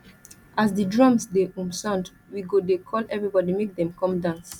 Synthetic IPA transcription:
asdidɹɔ̃msdeʔũmsãnd | wiɡodekʰɔlɛvɹibɔdimek̚dɛ̃mkɔ̃mdãns

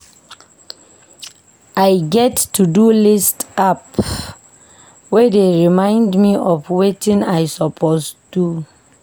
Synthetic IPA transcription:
ʔajɡɛtːudulistap | wɛdeɹimãɪ̃ndmiʔɔvwetĩnajsɔpʰostu

